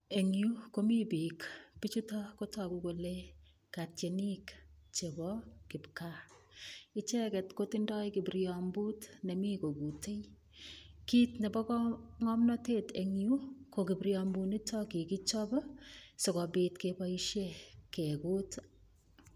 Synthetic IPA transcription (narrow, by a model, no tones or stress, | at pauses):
eŋjukomibikpit͡ʃutɔkotɔkukole | katjenikt͡ʃebɔkɪpka | ɪt͡ʃɛkɛtkotindɔjkɪbiɾjɔmbutnɛmikoɡutej | kiːtnɛbɔkŋɔmnɔteteŋjukokɪbiɾjɔmbunitɔkikit͡ʃɔbɔsɔkɔbitkepaiʃjekekut